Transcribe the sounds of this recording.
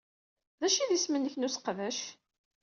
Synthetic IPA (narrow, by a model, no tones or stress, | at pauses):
ðæʃiðismənːəçnusqvæʃ